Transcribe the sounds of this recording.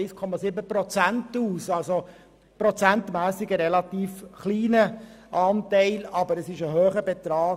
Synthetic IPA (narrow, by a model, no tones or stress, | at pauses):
skʰɔmɑsɪbəpɾɔt͡sæntuːsɑlso | pɾɔt͡sæntmæːsɪɡəɾɛlɑt̪iːfχliːnə | ʔɑːntɛɪlɑbəɾəsɪʃəɦøːχəbɛt̪ɾɑː